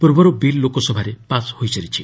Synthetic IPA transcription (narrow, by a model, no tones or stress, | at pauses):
puɾbɔɾɔbilːokɔsɔbʱaɾepashojseɾit͡ʃʰi